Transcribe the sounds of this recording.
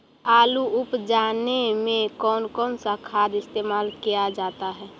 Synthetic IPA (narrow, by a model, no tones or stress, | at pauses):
aːluʊpd͡ʒaːnemẽkɔːnkɔːnsakʰaːd̪ɪst̪eːmaːlkijad͡ʒaːt̪aɦɛː